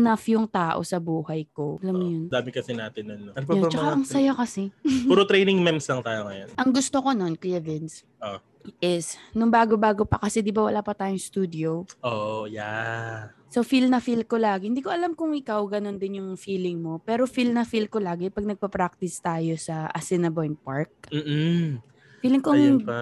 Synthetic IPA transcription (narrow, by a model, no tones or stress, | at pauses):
nɐfjʊŋt̪aːʔo̞̰sɐbuːhɐjko̞ʔɐlɐmːojʊnd̪aːmɪkɐsɛnaːt̪ɪnːonːonɐɡ̚pɐjoamt͡ʃɐkaʔɐŋsɐjokɐsɛuːɾot̪ɾejnɪŋmɛmslɐŋt̪aːjoŋɐjonʔɐŋɡʊst̪oko̞no̞nklivɛns | ʔo | ʔɪsnʊŋbaːɡobaːɡo̞pɐkɐsɛd̪ɪbawɐlaːpɐt̪aːjʊŋst̪uːd̪ɪoʔoja̰ | sofilnɐfilkolaːɡɪhɪnd̪iːkoʔɐlamkʊŋɪkawɡɐno̞nd̪ɪnjʊŋfiːlɪŋmo̞pɛːɾo̞filnɐfilkolaːɡɛpɐɡ̚nɐɡ̚pɐpɾak̚t̪ɪst̪aːjo̞sɐʔɐsɪnɐbojnpaɹk̚m̩ː | fiːlɪŋkoɐŋŋ